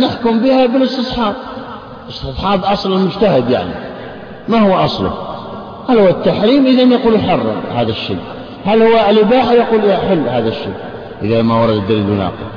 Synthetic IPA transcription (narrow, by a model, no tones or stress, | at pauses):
nəħkʊmbihabəlɨsˤt̪ɨsˤħɑːb̚ | əst̪ɨsˤħɑːbʔɑsˤləlmʊd͡ʒt̪ahɪd̪ja̰ʕnḭ | mahʊwːʔɑsˤlʊ̰ | hælhʊwːat̪ːaħɾiːmʔəðanjɑquːlħɑrˤːɑ̰mhaðəʃːḭj | hælhʊwːaʔlɪbaːħajaquːlaħɪlːhaːðæʃːḭː | ʔəðamawɑɾˤɑd̪d̪ɪɾlʊnɑ̰ːqə̰